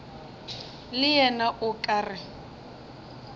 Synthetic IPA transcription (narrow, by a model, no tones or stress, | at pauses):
lɪjɛnaʔʊkʼaːrɪ